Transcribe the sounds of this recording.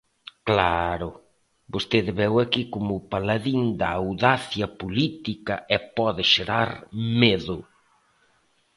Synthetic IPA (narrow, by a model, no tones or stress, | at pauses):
klaɾʊ | bost̪eðɪβɛwakikomʊpalaðiŋd̪ɐːwðaθjɐpolit̪ikɐʔɛpɔðɪʃeɾaɾmeðʊ